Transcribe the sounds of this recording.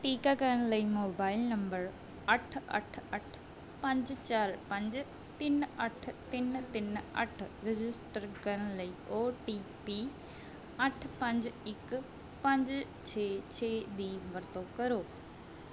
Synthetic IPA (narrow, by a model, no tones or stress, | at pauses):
ʈiːkaːkəɾənləiːmoːbaːɪlnəmbəɾ | əʈʰə̰ʈʰəʈʰ | pə̃ɲd͡ʒt͡ʃaːɾpə̃ɲd͡ʒ | t̪ɪnəʈʰt̪ɪnt̪ɪnə̰ʈʰɾɪd͡ʒɪsʈəɾkəɾənləiːoːʈiːpiː | əʈʰpə̃ɲd͡ʒɪk | pə̃ɲd͡ʒ | t͡ʃʰeːt͡ʃʰeːd̪iːʋəɾt̪õːkəɾoː